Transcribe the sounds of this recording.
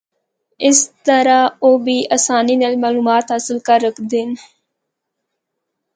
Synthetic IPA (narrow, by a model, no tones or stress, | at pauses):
ɪst̪əɾaːoːbiːʔaːsaːniːnelmaːluːmaːt̪ɦəsəlkəɾːəkʰd̪en